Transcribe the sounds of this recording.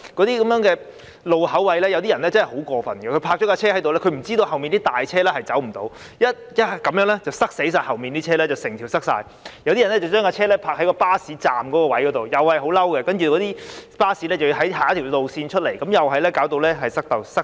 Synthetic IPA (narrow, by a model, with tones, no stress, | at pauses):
kɔ˨˧˥t̪iː˥kɐ˨˧mjœː˨˥ŋkɛː˧ | lo˨whɐ˨˥wwɐ˨˥jlɛː˥jɐ˨˧wt̪̬iː˥ɐ˨˩nlɛː˦˥t͡sɐ˥nhho˨˥wkɔː˧fɐ˨˩nɡɛ˧kʰɵ˧˥pʰaː˧k̚t͡ʃɔ˨˥kaː˧t͡ɕʰɛː˥hɐ˨˥jt̪o˨wlɛ˥kʰɥm̩˨˩t͡siː˥t̪o˧whɐ˨wmiː˨nt̪iː˥t̪aː˨jt͡ɕʰɛː˥lɛː˥hɐ˨jt͡sɐ˨˥wm̩˨˩t̪o̰˨˧˥w | jɐ˥t̚jɐ˥˨kɐ˨˧˥mjœː˨˥ŋlɛ˥t͡sɐ˨wsɐ˥k̚se˨˥js̬aː˧jhɐ˨˩wmiː˨nt̪iː˥t͡ɕʰɛː˥lɛː˥t͡sɐ˨wsɪ˨˩ŋt̪ʰiː˨˩wsɐ˥k̚sa̰ː˧j | jɐ˨˧wt̪i˥˨˩nːɛ˥t͡sɐ˨wt͡ʃœː˥ŋkaː˧t͡ɕʰɛː˥lɛ˥pʰaː˧k̚hkɔː˧paː˥siː˨˥t͡saː˨mkɔː˨˥kɔː˧wɐ˨˥jkɔ˨˧˥t̪o˨wjɐ˨whɐ˨jɦo˨˥wlɐ˥wkɛ˧kɐ˥nt͡ʃy˨kɔː˨˥t̪iː˥paː˥siː˨˥lɛː˥t͡sɐ˨wɦɐ˨˥jɦaː˨jt̪ʰi˨˩wt̪o˨˧wsiː˧nt͡ʃʰɵ˥t̚le˨˩jkɐ˨˥mjɐ˨wɦɐ˨jlɛ˥kaː˨˥wt̪o˧wlɛː˥ɦɐ˨jsɐ˥k̚t̪ɐ˨wsɐ˥k